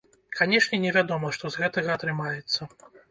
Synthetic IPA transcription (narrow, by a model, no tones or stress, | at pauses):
kanʲɛʂnʲɛnʲɛvʲad̪ɔmɐʂt̪ɔzɣɛt̪ɐɣɐːt̪ɾɨmajɛt̪sːɐ